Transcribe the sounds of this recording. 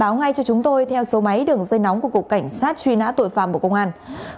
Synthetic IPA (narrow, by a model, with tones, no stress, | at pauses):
aː˨˦wŋa˧jt͡ɕɔ˧t͡ɕʊ˨˦ŋ͡mt̪o˧jt̪ʰɛ˧wso˨˦ma˨˦jɗɨ˨˩əŋzə˧jnɔ˨˦wŋ͡mku˧˩əku˨˩ka˧˩jŋ̟saː˦˥t̚t͡ɕwi˧na̰ː˧˥t̪o̰˧˨jfa̰ː˧˨mku˧˩kə˧ŋ͡mʔaː˧n